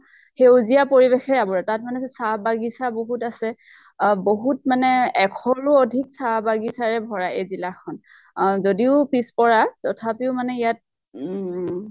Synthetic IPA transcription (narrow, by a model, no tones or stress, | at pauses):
xewzijapoɹibexɛɹɛabɔɹɛtat̚manɛsabaɡisaboɦutasɛ | boɦutmanɛɛkʰɔlʊodʱiksabaɡisaɹɛbʱɔɹaʔezilakʰɔn | zodiʊpispɔɹatɔtʰapiʊmanɛijat̚